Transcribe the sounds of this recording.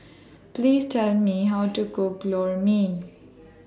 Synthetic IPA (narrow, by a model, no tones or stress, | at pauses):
pliːzʈɛlmiɦaʊʈukoklɔːɹmĩn